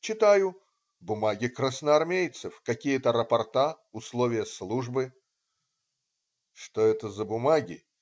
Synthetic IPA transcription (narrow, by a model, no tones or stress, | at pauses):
t͡ɕɪt̪ajʊ | bʊmaɡʲɪkɾəsnəɐrmʲejt̪sɨfkɐkʲijət̪əɾəpɐrt̪a | ʊslˠovʲɪjəslˠuʐbɨ | ʂt̪oɛt̪əzəbʊmaɡʲɪ̰